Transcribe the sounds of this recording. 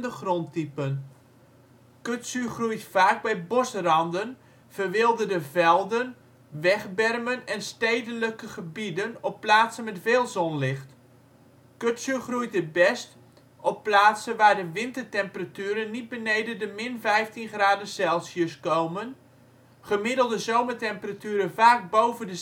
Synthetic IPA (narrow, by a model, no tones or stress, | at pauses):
dəχrontipən | køtsyχrujtfaːk̚bɛjbosrɑndən | v̥ərʋɪlˠdədəvɛlˠdən | ʋɛχbɛrmənɛnstejdənləkəχəbidənɔpːlaːtsənmɛtveːlˠzɔnlɪxt | køtsəχrujt̚dəbɛst | ɔpːlaːtsənʋaːɹdəʋɪntərtɛmpəratyːɾənːit̚bənejdədəmɪnvɛjftinχraːdəsɛlˠsjəskowmən | χəmɪdəl̩ˠdəzowmətɛmpəratyːɾəvaːk̚bowvəndə